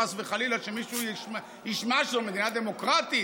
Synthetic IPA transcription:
asveχalilaʃemiʃu | jiʃmaʃomed̪inad̪emo̞kʁat̪i

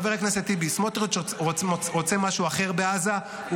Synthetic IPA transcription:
veʁaknaset̪ibismot̪ʁit͡ʃoʁot͡semaʃuaχe̞ʁbeaza

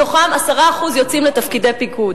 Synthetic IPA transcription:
o̞χamasaʁaːχuzjo̞t͡simlet̪afkidepikud

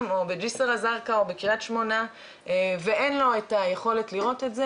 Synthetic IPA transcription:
mo̞bed͡ʒiseʁazaʁkaobekiʁatʃmo̞na | veʔenlo̞etajeχo̞le̞tliʁo̞tetze

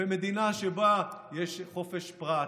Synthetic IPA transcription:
emed̪inaʃebajeʃχo̞fe̞ʃpʁa

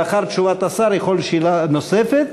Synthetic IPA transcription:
aχaɾt̪ʃuvat̪asaɾjeχo̞lʃilano̞sefet̪̚

